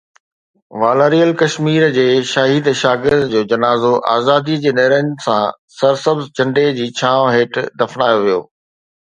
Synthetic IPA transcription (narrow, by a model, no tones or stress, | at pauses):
ʋaːlaːɾijəlkɐʃmiːɾd͡ʑeːʃaɦiːd̪ʃaːɡɪɾzd͡ʑoːd͡ʑɐnaːzoʔa̰ːzaːd̪id͡ʑeːneɦɾənɪsã̰ | sɐɾsɐbzt͡ɕɐ̃ɳɖed͡ʑiːt͡ɕʰãːɦeːʈd̪ɐfnaːjoʋijo̰ː